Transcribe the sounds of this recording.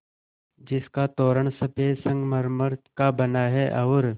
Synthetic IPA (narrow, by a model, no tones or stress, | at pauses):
d͡ʒɪskat̪oːɾəɳsɐpeːsə̃ŋɡməɾməɾt̪kabɐnaɦɛʔɐːɾ